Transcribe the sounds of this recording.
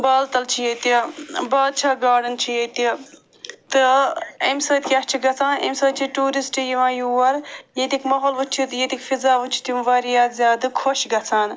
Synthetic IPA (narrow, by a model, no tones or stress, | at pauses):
baːlt̪ɐlt͡ʃʰijet̪ibaːl̚t͡ʃʰaːɡaːɖɨnt͡ʃʰijet̪i | t̪ɨemsəːt̪ʰʲkʲɐt͡ʃʰiɡɐt͡sʰãːnḛmsəːt͡ʃʰiʈuːɾisʈijiʋãːjuʋɐɾjet̪ikʰmɐɦoːlʋut͡ʃʰit̪jet̪ikfizaːʋut͡ʃʰi̥t̪jumʋɐːɾijaːd̪zʲjaːd̪ɨkʰoʃɡɐt͡sʰaːn